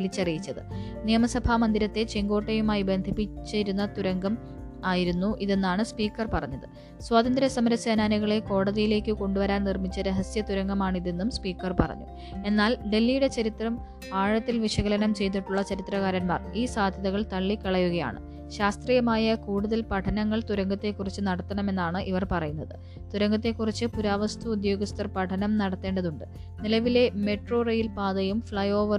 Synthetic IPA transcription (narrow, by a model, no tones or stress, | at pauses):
ʋilit͡ɕːɐrijit͡ɕːɐðɨ̰nijɐmɐsɐbʱaːmɐnd̪iɾɐt̪ːe̞t͡ɕeŋɡo̞ːʈːɐjumaːjibe̞nd̪ʱipːit͡ɕːɐɾunːɐt̪uɾɐŋɡɐm | aːjiɾunːuʔiðe̞nːaːɳɨspiːkːɐrpɐrɐɲːɐðɨ | swaːt̪ɐnd̪ɾɐsɐmɐɾɐsɐːnaːniɣɐɭe̞ko̞ːɽɐðijile̞ːkʲːɨko̞ɳɖuʋɐɾaːnnirmit͡ɕːɐɾeɦɐsjɐt̪uɾɐŋɡɐmaːɳiðe̞nːumspiːkːɐrpɐ̰rɐ̰ɲːṵ | e̞nːaːlɖe̞lːijuɽe̞t͡ɕɐɾit̪rɐm | aːɻɐt̪ːilʋiʂɐɣɐlɐnɐmt͡ɕe̞jt̪̬ːiʈːuɭːɐt͡ɕɐɾit̪rɐɣaːɾɐnma̰ːriːsaːd̪ʱjɐðɐɣɐɭt̪ɐɭːikːɐɭɐjuɣɐja̰ːɳɨ̰ | ɕaːst̪riːjɐmaːjɐkuːɽuðɐlpɐʈʰɐnɐŋːɐɭt̪uɾɐŋɡɐt̪ːe̞kːurit͡ɕːɨnɐɽɐt̪ːɐɳɐme̞nːaːɳɨʔiʋɐrpɐrɐjunːɐðɨ | t̪uɾɐŋɡɐt̪ːe̞kːurit͡ɕːɨpuɾaːʋɐst̪ʰuːd̪jo̞ːɡɐst̪ɐrpɐʈʰɐnɐmnɐɽɐt̪ːe̞ːɳɖɐðuɳɖɨ | nilɐʋile̞me̞ʈro̞ːrɐjilpaːðɐjumfɭɐjo̞ːʋɐr